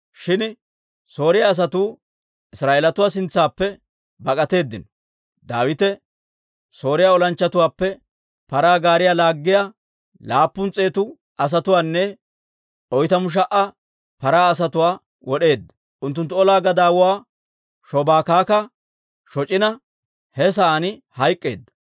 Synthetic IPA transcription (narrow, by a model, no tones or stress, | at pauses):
ʃɪn | so̞ːɾɪjaːs̬ɐt̪uː | ɪsɾaːʔeːlɐt̪ʊwaːs̬ɪnt͡sːaːpːɛ | bɐkʼɐt̪e̞ːd̪ːɪnɔ | d̪aːwɪt̪ɛ | so̞ːɾɪjaːɔlɐnt͡ʃːɐt̪ʊwaːpːɛ | pɐɾaːɡaːɾɪjaːlaːɡːɪja | laːpːʊnt͡sʼeːt̪ʊ | ʔɐs̬ɐt̪ʊwaːnːɛ | ʔɔjt̪ɐmʊʃ̬ɐʔɐ | pɐɾaːs̬ɐt̪ʊwaː | wɔɗe̞ːd̪ːɐ̥ | ʔʊnt̪̬ːʊnt̪ːʊɔlaːɡɐd̪aːwʊwaː | ʃɔbaːkaːkɐ | ʃɔt͡ʃʼɪnɐ | hɛs̬aːnɪhɐjkʼːe̞ːd̪ːɐ̥